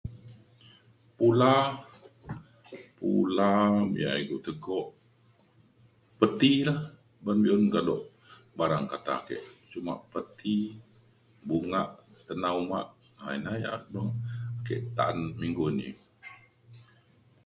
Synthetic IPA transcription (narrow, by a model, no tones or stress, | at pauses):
pula | pulamḭja̰iɡuʔt̪əɡɔʔ | pət̪ilah | banbiɔnkadɔʔ | baɾaŋkat̪a̰kḛʔt͡ʃuma̰ʔpət̪i | buŋa̰ʔt̪ənauma̰ʔha̰inaja̰ʔbəŋakeʔt̪aʔanmiŋɡonḭ